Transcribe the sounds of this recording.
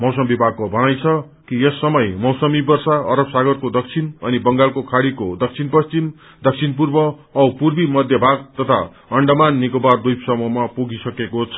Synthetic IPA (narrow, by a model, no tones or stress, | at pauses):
mʌwsʌmbibʱaɡ̚kobʱʌnajt͡sʰʌ | kiesːʌmʌjmʌwsʌmibʌrsaʌɾʌbsaɡʌrkod̪ʌk̚t͡sʰinʌnibʌŋɡalkokʰaɽikod̪ʌk̚t͡sʰinpʌst͡sim | d̪ʌk̚t͡sʰinpurbʌ | ʌwpurbimʌd̪ʱjʌbʱaɡ̚t̪ʌt̪ʰa̰ | ʌɳɖʌmanːikobard̪ujpsʌmʌmapuɡisʌkekot͡sʰʌ̥